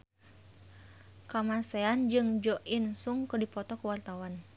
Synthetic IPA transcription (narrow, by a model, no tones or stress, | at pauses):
kamasɛand͡ʒɨŋd͡ʒɔʔinsuŋkərdipɔt̪ɔkuwart̪awan